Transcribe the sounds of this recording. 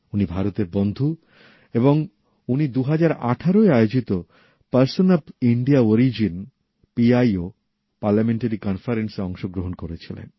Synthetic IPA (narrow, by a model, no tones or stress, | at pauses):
unibʱaɾot̪eɾbond̪ʱu | eboŋ | unid̪uɦad͡ʑaɾa̰ʈʰaɾoeaeod͡ʑit̪o | paɾsonabiɳɖiaoɾid͡ʑin | piajo | paɾlameɳʈaɾikɔnfaɾenseɔŋʃoɡɾoɦonkoɾet͡ɕʰilḛn